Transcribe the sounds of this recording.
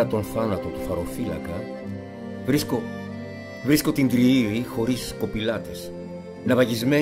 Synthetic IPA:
ɐt̪o̞nθɐnɐt̪o̞t̪uθɐɾo̞fiɐ̰kɐ | vɾisko | vɾisko̞t̪ind̪ɾiivixo̞ɾisko̞pilɐt̪e̞s | nɐvɐʝizme

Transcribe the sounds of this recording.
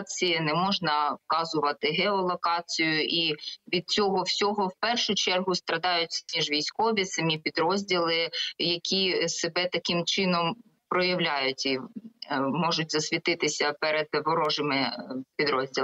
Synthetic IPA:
t͡sʲijɐnɛmɔʒnɐwkɑzʊʋɐt̪ɪɦɛɔlˠɔkɑt͡sʲijʊʔiʋʲid̪̚t͡sʲɔɦɔwsʲɔɦɔwpɛrʃʊt͡ʃɛrɦʊst̪ɾɐd̪ɑjʊtʲiʒʋʲijsʲkɔʋʲisɐmʲipʲid̪ɾɔzʲdʲilˠɪjɐkʲisebɛt̪ɐkɪmt͡ʃɪnɔm | pɾɔjɐwlʲajʊtʲi | mɔʒʊt̚ʲzɐsʲʋʲit̪ɪt̪ɪsʲɐpɛɾed̪̚ʋɔɾɔʒɪmɪpʲid̪ɾɔzʲdʲilˠ

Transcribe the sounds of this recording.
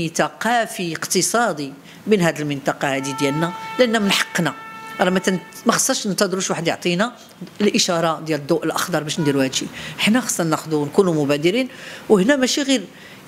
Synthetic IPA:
it̪æqɑfiəqt̪əsˤɑd̪i | binɦæd̪əlmənt̪ɑqɑhæd̪id̪jælnælʔənːæmənħɑ̥qːnæʔɾˤɑmæ | mæxə̥sˤːɑɾˤʃnət̪ɑd̪ɾuʃwaħəd̪jo̰ʕt̪ˤinæ | əlʔəʃɑɾˤɑd̪jæləd̪ːuʔəlʔə̰xd̪ɑɾˤbæʃnd̪iɾuhæd̪ʃiħnːæxɑ̥sˤːɑnæxd̪unkunumʊbæd̪əɾinwhnæmæʃiɣiɾ

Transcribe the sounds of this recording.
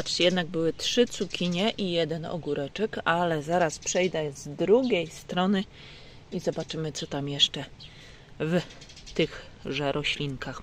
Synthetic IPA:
at͡ʂt͡ɕɛjɛd̪naɡ̚bɘwɘtʂɘt̪sukʲiɲɛʔijɛd̪ɛnɔ̰ɡuɾɛt͡ʂɛkalɛzaɾaspʂɛjd̪ɛzd̪ɾuɡʲejst̪ɾɔnɘ | izɔbat͡ʂɘmɘt̪sɔt̪amjɛʂt͡ʂɛ | v | t̪ɘɣʐɛɾʔɔɕlʲiŋkʰax

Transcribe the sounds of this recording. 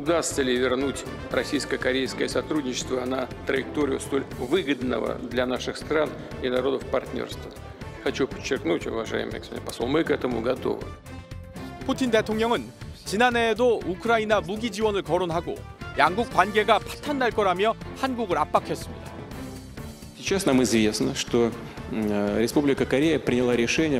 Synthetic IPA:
ʊd̪ast̪səlʲɪvʲɪrnutʲ | rɐsʲijskəkɐɾʲejskəjəsɐt̪ɾudʲnɲʲɪt͡ɕːɪ̥st̪vəːnat̪ɾəjɪk̚t̪o̞ɾʲɪʊ̰st̪o̞lʲvɨɡəd̪nə̰və̰d̪lʲanaʂɨxst̪ɾan | inaɾo̞d̪əfpɐrtʲnʲo̰rst̪və | xɐt͡ɕupə̥t͡ɕːɪrknutʲʊ̰vɐʐa̰jɪ̰mɨ̰jɡə̥spnʲpɐsolˠmɨkɛt̪əmṵɡɐt̪o̞̰vɨ̰ | pʰutʰinde̞tʰoŋɲʌŋɯnt͡ɕinane̞ːdoukʰɯɾainamuɡid͡ʑiwʌnɯɭkʌɾonɦaɡo̰jaŋɡuk̚k͈wanɡe̞ɡapʰḁtʰandaɭk͈ʌɾamjʌhanɡuɡɯɾap͈akʰʌs͈ɯmɲida | sʲɪt͡ɕːasnamɨzvʲe̞snəʂt̪o | ɾʲɪspublʲɪkəkɐɾʲejəpɾʲɪnʲɪlˠaɾʲɪʂɛnʲɪjə

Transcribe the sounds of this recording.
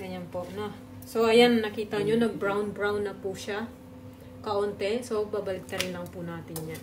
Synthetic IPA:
ɡɐɲanpoʔɐno | soʔɐjannɐkiːt̪ɐɲonɐbɾawnbɹawnːɐpuʃa | kɐʔoːnt̪ɛsobaːbɐlɪk̚t̪ɐɾɪnlɐŋpunaːt̪ɪnɲan

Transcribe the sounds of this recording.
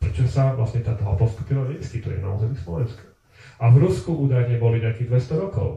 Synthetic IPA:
pɾɛt͡ʃɔsaʋlasɲɛt̪at̪ɔɦɔpɔst̪u̥pilaɲɛskit̪ujɛ̰na̰ṵːzɛmislɔʋɛnskḁ | avɾuskuʔuːd̪ajɲɛbɔliɲɛakiːɣd̪ʋɛst̪ɔɾɔkɔ̰ʊ

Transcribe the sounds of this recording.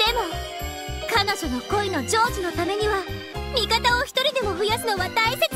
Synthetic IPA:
d̪̥e̞mo̞ | kano̞ʑono̞ko̞ino̞d͡ʑo̞ːʑino̞t̪ame̞ɲ̟iβa | mʲikat̪ao̞çi̥t̪o̞ɾʲid̪e̞mo̞ɸɯ̟jasɨno̞βad̪aise

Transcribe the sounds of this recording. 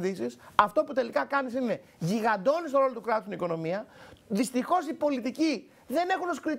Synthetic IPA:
d̪isisɐft̪o̞put̪e̞likɐkɐnisine̞ʝiɣɐnd̪o̞nist̪oɾo̞lot̪ukɾɐt̪ust̪iniko̞no̞miɐðist̪ixo̞sipo̞lit̪ici | ðe̞ne̞xunoskɾi

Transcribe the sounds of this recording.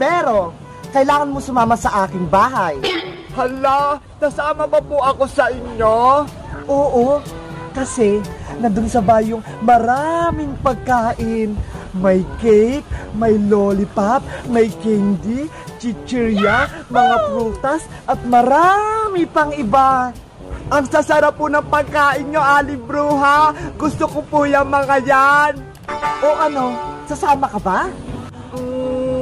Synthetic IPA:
pɛːɾo̞ | kɐʔɪlaːŋɐnmosʊmaːmɐsɐʔaːkɪŋbaːɦɐjhɐla | t̪ɐsaːmɐmɐpoʔɐko̞sɐʔɪɲjo̞ | ʔoːʔo̞kɐsɛnɐd̪ʊnsɐbaːjʊŋ | mɐɾamɪŋpɐɡ̚kaːʔɪnmɐjkɛjp̚mɐjloːlɪpap̚mɐjkɛnd̪i | t͡ʃɪt͡ʃɛɾjamɐŋapɾuːt̪ɐs | ʔɐt̪̚mɐɾamɪpɐŋʔɪba | ʔɐŋsasɐɾapːʊnɐŋpɐɡ̚kaːʔɪnɲoʔaːlɪbɾuːɦaɡʊst̪okopuːjɐŋmɐŋɐjan | ʔoʔɐno̞sɐsaːmɐkɐba | o

